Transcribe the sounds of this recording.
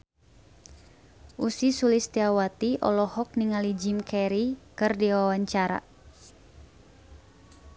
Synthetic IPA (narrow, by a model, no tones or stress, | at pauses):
ʔusisulist̪iawat̪iʔɔ̰lɔhɔk̚niŋalid͡ʒimkʰɛɾikɨrdiwawaɲt͡ʃaɾa̰